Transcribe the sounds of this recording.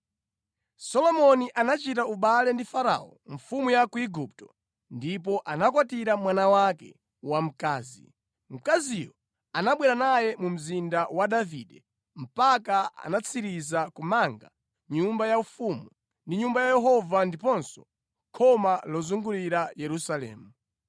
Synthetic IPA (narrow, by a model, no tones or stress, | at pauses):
sɔlɔmɔniʔanat͡ʃitauɓalɛndifaɾa̰ɔ̰ɱ̩fumujakuiɡup̚tɔ̥ | ndip̬ɔʔanakwatiɾamwanawakɛ̰ | wam̩kaːzḭ | m̩kazijɔ | anaɓwɛɾanajɛmum̩zindawadavidɛ | m̩pakaa̰nat͡sʰiɾizakumaŋɡa | ɲumbajaufumu | ndiɲumbajajɛɦɔvandipɔnsɔ̥ | kʰɔmalɔzuŋɡuliɾajɛɾusalɛ̰ːmu